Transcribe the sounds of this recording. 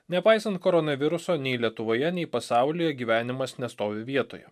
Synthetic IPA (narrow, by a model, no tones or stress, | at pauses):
nʲɛpɑɪsɐnt̪̚kɔɾɔnɐʋʲɪɾʊsoːnʲɛɪlʲiɛt̪ʊʋoːjɛnʲɛɪpɐsɑˑʊlʲɪjɛɡʲiːʋʲæːnʲɪmɐsnʲɛst̪oːʋʲɪʋʲiɛt̪o̰ːjɛ̰